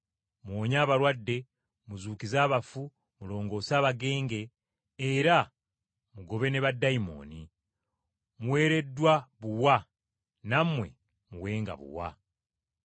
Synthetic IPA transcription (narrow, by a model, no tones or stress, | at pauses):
muwoːɲaːβaɾwadːe̞ | muzuːkizaːβafu | mulo̞ːŋɡo̞ːsaːβaɡe̞ːŋɡe̞ː | ɾa | muɡo̞βe̞ne̞βadːaimo̞̰ni | muwe̞ːɾe̞dːwaβuwa | namwe̞̰ | muwe̞ːŋɡa̰βṵwa̰